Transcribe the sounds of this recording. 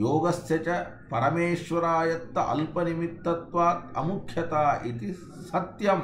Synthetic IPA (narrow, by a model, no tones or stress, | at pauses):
joːɡɐsjɐt͡ʃɐ | pɐɾɐmeːʃʋɐɾaːjɐt̪ːɐʔɐ̰lpɐnimit̪ːɐt̪ʋaːt̪ɐ̰mukʰjɐt̪aːʔit̪i | sɐt̪jɐm